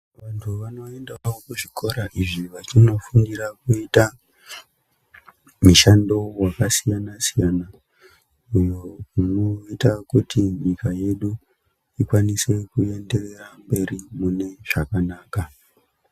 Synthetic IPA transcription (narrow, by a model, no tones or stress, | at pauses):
ʋantʰuʋano̞e̞ndaokuʐikʰo̞ɾaʔiʐiʋat͡ʃino̞fuŋdiɾakuita | muʃando̞wakasijanasijana | ujo̞munoitakutiɲikaje̞ɗu | ikwanise̞kue̞nde̞re̞rambe̞rimune̞ʐ̥akanaːka